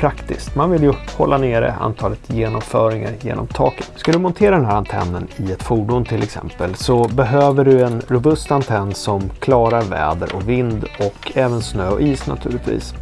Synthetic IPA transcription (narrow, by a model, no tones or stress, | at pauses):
pʰɾakt̪ɪ̰st̪manvɪljɵhɔlːaneːɾə̰a̰nt̪ʰɑːlət̪ʰjeːnɔmfœːɾɪŋa̰ɾjḛːnɔ̰mt̪ʰɑːkə̥t̪skald̪ɵmɔnt̪ʰeːɾad̪ɛnɦæːɾant̪ʰɛ̰nːənɪɛt̪fuːɖʊnt̪ʰɪlɛksɛ̰mpəlsɔbɛɦøːvəɖɵɛnɾʊbɵst̪ant̪ʰɛnːsɔmkʰlɑːɾaɾvɛ̰ːd̪əɾʔɔkvɪnd̪ɔkʰːɛːvənsnøːɔ̰ʔiːsna̰t̪ʰʉ̟ːlɪt̪vḭːs